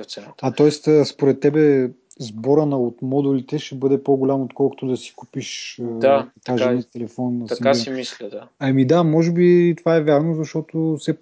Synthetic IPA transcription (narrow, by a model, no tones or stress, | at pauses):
ɛɐt̪ɔɛst̪əspoɾɛt̪ːɛbɛzbɔɾənɐot̪mɔd̪ulit̪ɛʃɛbɤd̪ɛpoɡʊlʲamot̪kɔlˠko̥t̪od̪ɐsi̥ku̥piʃad̪ɐkaʒɛnɛt̪ɛlɛfɔnːɐsmislid̪aɐmid̪amɔʒɛbit̪ovaɛvʲjaɾnozɐʃt̪ɔt̪osɛ